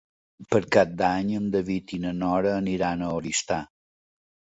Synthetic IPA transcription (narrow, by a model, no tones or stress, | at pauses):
pəɾkat̚d̪aɲəmd̪əβit̪inənɔɾəːniɾanəoɾist̪a